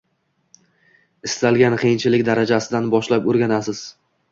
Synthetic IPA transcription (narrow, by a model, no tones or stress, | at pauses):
ɪst̪alˠɡʲanqʰejɪnt͡ʃʰɪlɪkʲd̪aɾad͡ʒasɪd̪anbɒʃlapoɾɡʲanasɪz̥